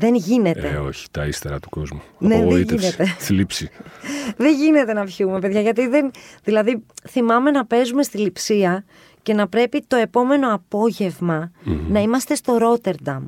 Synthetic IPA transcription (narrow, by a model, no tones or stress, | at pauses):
ðe̞nʝine̞t̪eo̞̰çi̥t̪ɐist̪eɾɐt̪u̥ko̞zmunneðeiʝt̪eineest̪ilipsi | ðeɲʝine̞t̪e̞nɐpçume̞pe̞ðʝɐʝɐt̪iðe̞nðilɐðiθimɐme̞nɐpe̞zume̞st̪ilipsiɐ | ce̞nɐpɾe̞pit̪o̞e̞po̞me̞no̞ɐpo̞ʝe̞vmɐnɐimɐst̪e̞st̪o̞ɾo̞t̪e̞ɾd̪ɐm